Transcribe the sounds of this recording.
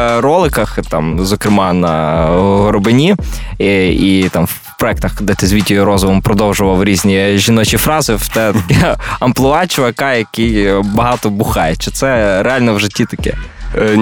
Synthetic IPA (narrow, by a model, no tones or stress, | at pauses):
rɔlˠɪkɐxt̪ɑmzɔkɾɪmɑnɐɦɔɾɔbɪnʲi | it̪ɑmw | pɾɔɛk̚t̪ɐxd̪ɛt̪ɪzʲʋʲitʲːɔjɔɾɔzʊʋɔmpɾɔd̪ɔwʒʊʋɐwɾʲizʲnʲiʒinɔt͡ʃifɾɑzɪt̪ɛt̪ɐkɛɐmplˠʊɑt͡ʃɪʋɐkɑjɐkɪjbɐɦɑt̪ɔbʊxɑjɛt͡ʃɪt̪sɛɾeɑlʲnɔwʒɪtʲːit̪ɐkɛ̰